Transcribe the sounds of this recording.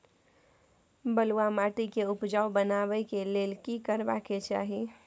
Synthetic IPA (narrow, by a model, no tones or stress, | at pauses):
bəluamaːʈikeʊpd͡ʒawbənabəikeleːlkikəɾbaket͡ʃa̰ːɦi